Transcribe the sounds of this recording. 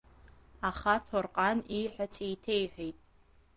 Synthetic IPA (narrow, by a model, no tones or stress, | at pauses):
aχatʰorqʼaniħʷᶣat͡sʰejtʰejħʷᶣijtʼ